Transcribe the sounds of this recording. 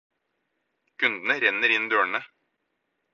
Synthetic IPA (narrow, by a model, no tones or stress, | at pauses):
kʰʉnd̪n̩əɾɛnəɾɪnd̪øːɳə